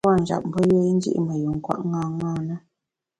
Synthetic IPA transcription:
a˦˨n̩˨d͡ʒa̰˨p̚m̩˨bə˦jə˦i˦n̩˦d͡ʒḭ˦ʔmə˨ju˨ŋ̩˨kwa̰˦˨ʔŋɡãː˦˨ŋaː˦˨nə˦

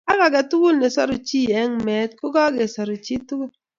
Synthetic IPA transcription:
a˦ka˨ɡa˨tu˦ɡu˦lne˨sɔ̰˦ɾu˨t͡ʃi˦˨ɛ˦ŋme˨˦t̚ko˦ɡa˦ɡe˨sɔ˨ɾu˨t͡ʃi˦tu˦ɡu˦l

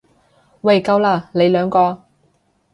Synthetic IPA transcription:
wa˨˩jkɐ˧wlaː˧le˨˧jlœː˨˧ŋkɔː˧

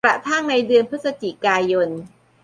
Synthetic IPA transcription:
ɾa̰˨˩t̪ʰa˥˩ŋna˧jdɯ˧ənpʰɯ˦˥sa˧t͡ɕi˨˩kaː˧jo˧n

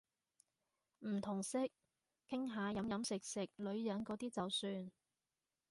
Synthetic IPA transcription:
m̩˨˩t̪ʰʊ˨˩ŋsɪ˥k̚ | kʰːɪ˥ŋɦaː˨˧jɐ˨˥mjɐ˨˥msɪ˨k̚sɪ˨˩k̚lɵ˨˧ɥjɐ˨˥nkɔː˨˥t̪iː˥t͡sɐ˨˧wsyː˧n

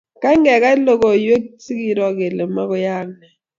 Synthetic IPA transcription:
k̬a˦ŋɛ˨k̬a˦lɔ˦k̬ɔ˨jwe˦k̬tʰi˦k̬i˨lwa˨k̬ɛ˨lɛ˨ma˦k̬ɔ˦jaː˦nɛ˨

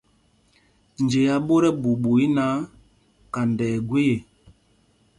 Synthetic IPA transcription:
n˨d͡ʒe˨ja˨bo˦ɾɛ˦bu˨bu˨i˦na˨˦ | ka˨n˨dɛː˨ɡwe˦je˨

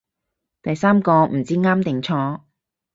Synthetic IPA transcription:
t̪ɐ˨jsaː˥mkɔː˧m̩˨˩t͡siː˥ŋaː˥mt̪ɪ˨˩ŋt͡sʰɔː˧

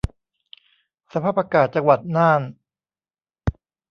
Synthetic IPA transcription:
sa˧pʰaː˥˩pa˧kaː˨˩t̪̚t͡ɕa˧ŋwa˨˩t̪̚naː˥˩n

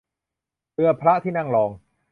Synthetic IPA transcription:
tɯ˧ɐpʰɾa˦˥ʔt̪ʰiː˥˩na˥˩ŋlɔː˨˧ŋ

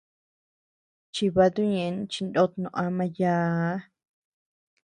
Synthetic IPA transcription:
t͡ʃi˧βa˧t̪u˦ɲẽ˧˦t͡ʃi˧nd̪o˦t̪nõ˧ʔã˧mã˧jaː˧˦

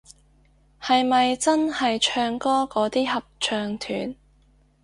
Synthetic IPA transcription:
hɐ˨jmɐ˨jt͡sɐ˥nhɐ˨jt͡ʃʰœː˧ŋkɔː˥kɔː˨˥t̪iː˥hɐ˨p̚t͡ʃʰœː˧ŋt̪ʰyː˨˥n

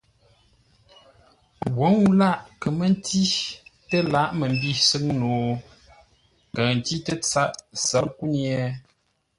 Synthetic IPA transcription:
wo˨˦ŋu˦la˦˨ʔkə˨mə˦n˦ti˦tə˦la˦ʔmə˨m˦bi˦˨sɨ˦ŋnoː˨ | kə˨n˨ti˦tə˦t͡sa˦ʔsə˨˦lku˦njɛ˨˦

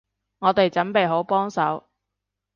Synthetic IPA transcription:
ŋɔː˨˧t̪e˨jt͡sɐ˨˥npe˨jɦo˨˥wpɔː˥ŋsɐ˨˥w

